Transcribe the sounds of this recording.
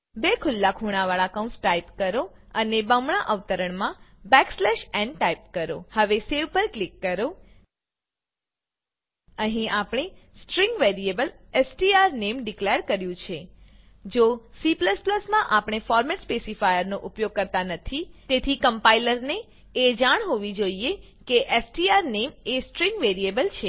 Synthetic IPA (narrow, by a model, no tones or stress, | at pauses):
bekʰʊlːakʰuɽ̃aʋaɭakaũnsʈaipkəɾoənebə̃mɳ̃aʔəʋt̪əɾəɳmãbɛkslɛʃɛ̃ɳɖʈaip̚kəɾohəʋeseʋpəɾklikːəɾo | əɦĩapɽ̃esʈɾĩŋɡʋeɾiebəl | esʈiaɾnemɖikleəɾkəɾjũt͡ʃʰe | d͡ʒosipləspləsmãʔapɽ̃efɔɾmɛʈspesifajəɾnoʔupjoɡ̚kəɾt̪anət̪ʰit̪et̪ʰikəmpailəɾneː | d͡ʒaɳ̃ɦoʋid͡ʒoie | keʔesʈiaɾnemesʈɾĩŋɡʋeɾiebəlt͡ʃʰe